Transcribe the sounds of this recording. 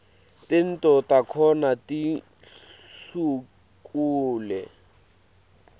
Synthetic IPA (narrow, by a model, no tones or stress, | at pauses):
tɪn̩tɔtakʰɔnati | su | kʼuːlɛ̰